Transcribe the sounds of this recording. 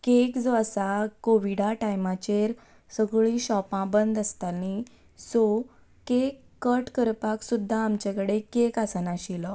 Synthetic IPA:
kekd͡zoasakoʋiɽaʈajmat͡ɕeɾ | səɡɭĩɕɔpãbənd̪əst̪alni | so | kekkːəʈkəɾpaksud̪ʱːaːmt͡ɕekəɽekekasanaɕilɔ

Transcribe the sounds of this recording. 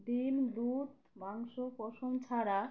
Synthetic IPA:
d̪imd̪ut̪ | maŋʃopɔʃomt͡ɕʰaɾa

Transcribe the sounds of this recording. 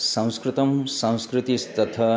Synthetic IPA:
sɐ̃w̃skɾɪt̪ɐmsɐ̃w̃skɾɪt̪ist̪ɐt̪ʰɐ

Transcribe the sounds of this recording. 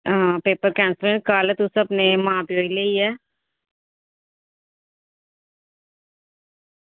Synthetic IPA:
ɦãːpeːpəɾkɛ̃ːnsɾẽɳʈkaːlɛːt̪ʊsəpnemãːpioːileiːɛː

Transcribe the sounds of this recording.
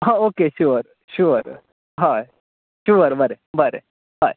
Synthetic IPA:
ɦãoːkeʃuːɾ | ʃuɾ | ɦaj | ʃuːəɾbɐɾe | bɐɾḛ | ɦaːj

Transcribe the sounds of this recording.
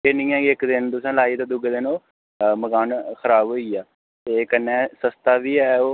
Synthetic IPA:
eːnĩːɛ̃ːkɪkd̪ɪnt̪ʊsɛ̃ːlaːiːt̪ãːd̪ʊɡd̪ɪnoː | məkaːnxʰəɾaːbɦoːiːaː | t̪eːkənːɛ̃ːsəst̪aːʋiːɛːoː

